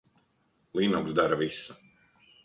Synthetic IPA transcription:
lˠiːnɔksd̪aɾavisu̥

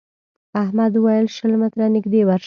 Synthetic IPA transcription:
ahmad̪əwajəlʃəlmɪt̪ɾanɪɡd̪ewaɾʃ

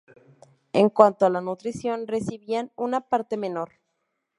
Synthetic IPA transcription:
e̞ŋkwant̪oalanut̪ɾisjo̞nre̞siβianunapaɾt̪e̞me̞no̞ɾ

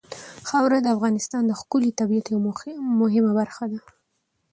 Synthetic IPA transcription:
xawɾad̪əafɣɑnɪst̪ɑnd̪əxkʊlit̪abiat̪jawmʊɦɪmabaɾxad̪a

